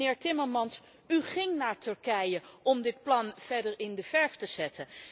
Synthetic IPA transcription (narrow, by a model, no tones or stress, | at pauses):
ɪːɹtɪməɹmɑns | yχɪŋnaːɹtɵɹkɛjəʔɔmdɪt̚plɑnv̥ɛdəɹɪndəvɛɹftəz̥ɛtə